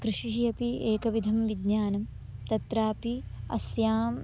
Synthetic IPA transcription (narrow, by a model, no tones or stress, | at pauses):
kɾɪʂiʃjɐpieːkɐʋid̪ʱɐmʋid̪ɲaːnɐm | t̪ɐt̪ɾaːpiɐ̰sjaːm